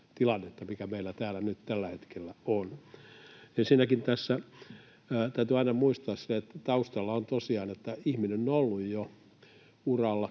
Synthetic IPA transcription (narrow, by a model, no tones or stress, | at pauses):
t̪ilɑnːet̪ːɑmikæmeilːæt̪æːlænyt̪t̪ælːæhet̪kelːæon | ensinækint̪æsːæː | t̪æyt̪yɑinɑmuist̪ɑːsseet̪ːt̪ɑust̪ɑlːɑont̪osiɑːnet̪ːæihminenolːujjo | urɑlːɑ